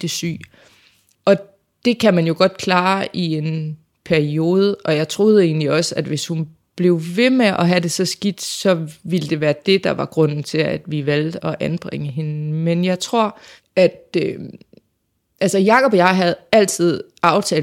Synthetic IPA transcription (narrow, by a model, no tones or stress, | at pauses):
d̥e̝sy̰ː | ʔɒ̽ | d̥e̝kʰæmænjo̝ɡ̥ɒ̽d̥̚kʰlɑ̈ːʔie̝n | pʰæɐio̝ːð̞ˠəɒ̽jɑ̈ɪt͡sʰʁo̝ð̞ˠəe̝̰ːn̩liɒ̽sæd̥ʋe̝shun | b̥le̝ʊʋe̝meʔɒ̽ɦæd̥e̝sɒ̽sɡ̥id̥sɒ̽ʋiləd̥e̝ʋæːɐd̥e̝d̥ɑ̈ʋɑ̈ɡ̥ʁɔ̽n̰n̩t͡sʰe̝læd̥ʋiʋæl̰d̥ɒ̽ʔænb̥ʁɛŋəɦe̝nmenjɑ̈ɪt͡sʰʁo̝ɐ̰ | æd̥ø | ʔælsɐjɑ̈kʰɒ̽b̥jɑ̈ɦæð̩ˠæl̰t͡sʰið̞̰ˠ | ɑ̈ʊt͡sʰɛː